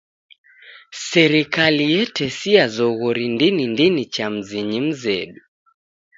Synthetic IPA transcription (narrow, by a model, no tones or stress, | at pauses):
sɛɾikalijɛtɛsiazɔɣɔɾindinindinit͡ʃam̩ziɲim̩zɛ̰ɗu